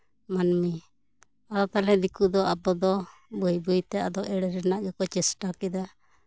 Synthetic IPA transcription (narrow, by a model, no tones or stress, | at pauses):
manmi | ad̪ɔt̪alɛd̪ikud̪ɔabɔd̪ɔbujbujt̪ɛad̪ɔʔɛɽɛɾɛnaʔɡɛkɔt͡ʃɛsʈakid̪a